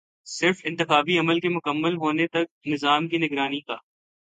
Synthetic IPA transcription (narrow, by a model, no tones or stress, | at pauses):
sɪɾfɪ̃nt̪ɪxaːbiɐməlkemʊkəmːəlɦoːnet̪ɐk̚nɪzaːmkinɪɡɾaːnikaː